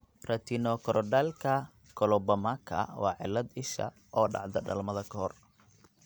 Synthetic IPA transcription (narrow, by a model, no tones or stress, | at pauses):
rɐt̪ʰinɔkʰɔɾʔɔɖalkʰɐ | kʰɔlɔbɐmakʰɐ̰wɑːʕɪ̰lːɐd̪ɪʃɐ̰ | ʔɔːɖɑ̰ʕd̪ɐɖɐ̰lmɐðɐkʰɐhɔr